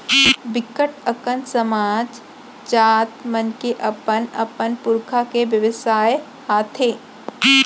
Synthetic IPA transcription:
bɪkːəʈəkənsɐmaːd͡ʒ | t͡ʃaːt̪mənkeʔɐpənɐ̰pənpʊɾkʰakeʋjɐʋɪsaːj | haːt̪ʰeː

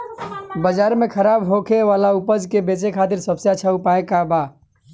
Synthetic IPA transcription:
bəd͡ʒaːɾmẽkʰəɾaːbɦokʰeʋaːlaupəd͡ʒkebet͡ʃekʰaːt̪iɾsəbseat͡ʃʰəupaekaba

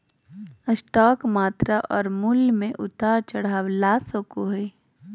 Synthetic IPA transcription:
əsʈɔːkmaːt̪ɾaʔɔːɾmulmẽʔʊt̪aːɾt͡ʃɐɽ̤aːwlaːsõːkoɦeː

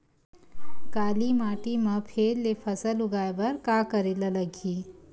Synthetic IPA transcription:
kaːlimaːʈimə̃pʰeːɾːepʰəsəlʊɡaːjbəɾkaːkəɾelələɡʱiː

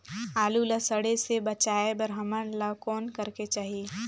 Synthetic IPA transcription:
aːlulɐsəɽesebət͡ʃaːebɐɾɦəmənləkɔːnkəɾket͡ʃaːɦi

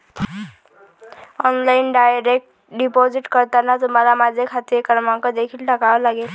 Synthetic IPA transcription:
ɔnlajnɖajɾek̚ʈ | ɖipod͡ziʈkʌɾt̪anat̪umaɾamad͡zekʰat̪jekʌɾmakod̪ekʰilʈʌkaɦolaɡel

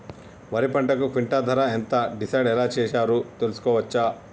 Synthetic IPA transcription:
ʋɐɾipɐɳʈɐkupʰiɳʈaːd̪ʱɐɾɐent̪ɐɖisɐjɖɛlaːt͡ʃɛːʂaːɾut̪elusu̥kɔːʋɐt͡ʃːa

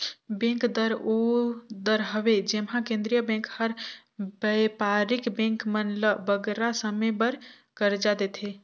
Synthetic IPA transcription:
bẽŋkd̪əɾod̪əɾɦəʋed͡ʒemɦãkẽnd̪ɾijəbẽŋkhəɾ | bəjpaɾikbẽŋkmənləbəɡɾasəmebəɾ | kəɾd͡ʒad̪et̪ʰe

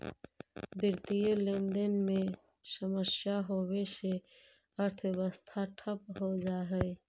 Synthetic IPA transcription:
bɪɾt̪ijelẽːnd̪ənmẽ | ʃəməʃjaɦoːwese | ɐɾt̪ʰbəst̪ʰaʈʰəpɦod͡ʒaːɦɛe

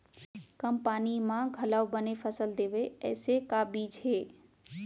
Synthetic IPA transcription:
kəmpaːnimãɡʱɐlawbənefʰəsəld̪eːʋeɛ̰ːsekaːbit͡ʃʰeː

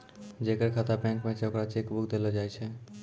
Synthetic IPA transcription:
d͡ʑekeɾkʰat̪abɛ̃ŋkmɛ̃t͡ʃɔkɾat͡ʃekbukd̪elod͡ʑajt͡ɕʰe

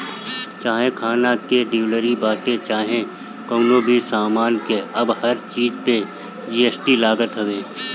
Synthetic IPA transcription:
t͡ʃaːɦẽkʰaːnakeɖiːləɾibaːʈ̪et͡ʃaːɦẽ | kəːnoːbʱisaːmaːnkeɐbhɐɾt͡ʃiːd͡ʒpe | d͡ʒiːeːsʈilaːɡət̪ɦəʋeː

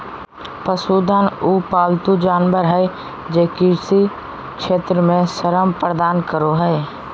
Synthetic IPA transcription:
pəsuːd̪ʱaːnuːpaːlt̪ud͡ʒaːnʋəɾɦɛɪ | d͡ʒeːkiɾsi | kʃeːt̪ɾəmẽsəɾəmpɾəd̪aːnkəɾoɦɛe

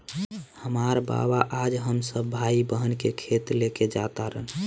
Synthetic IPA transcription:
həmaɾba̰baʔad͡ʒɦəmsəbːʱaibəɦənkekʰet̪leked͡ʒat̪aɾən

